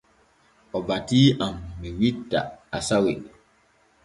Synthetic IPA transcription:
ɔbatiːʔamːiwitːa̰asawi

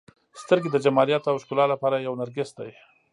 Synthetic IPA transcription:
st̪əɾɡed̪əd͡ʒamɑɾjat̪awʃkulɑlapɑɾajawnaɾɡɪsd̪aj

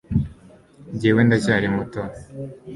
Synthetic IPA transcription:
ɲɟeːwendacaːɾimuto

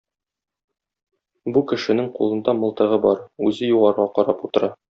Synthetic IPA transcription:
bukɘ̆ʃɘ̆nɘŋqṵlˠɤ̆nd̪ɑmɤ̆lˠt̪ɤ̆ʁɤbɒɾʉzɘjuʁɑɾʁɑqɒɾɑput̪ɤ̆ɾɑ

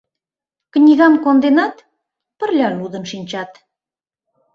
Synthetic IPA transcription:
knʲiɣɑnkond̪enɑt̪ | pə̆rlʲɑlud̪ə̆nʃinʲt͡ɕɑt̪

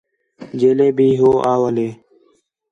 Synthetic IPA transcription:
d͡ʒeːleːbʱiːɦoːʔaːoəleː

